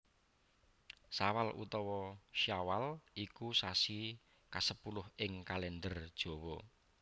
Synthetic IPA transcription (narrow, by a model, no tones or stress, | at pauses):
sawalṵt̪ɔwɔʃawalikusasi | kasəpulʊhɪŋkalɛnd̪ərd̥ʒ̥o̤wɔ